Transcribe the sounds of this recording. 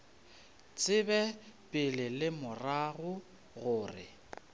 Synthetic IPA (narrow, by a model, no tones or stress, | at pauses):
t͡sʼɪbɛpʼɪlɪlɪmʊraɣʊ | ɣʊːrɪ̰